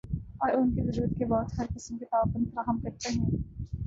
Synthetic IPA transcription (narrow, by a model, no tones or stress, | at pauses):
ɔːɾʊnkezɐɾuːɾət̪̚kebɔːt̪ɦɐɾqɪsəmket̪aːʋqʊnfɐɾaːɦəmkɐɾt̪eɦɛ̃ː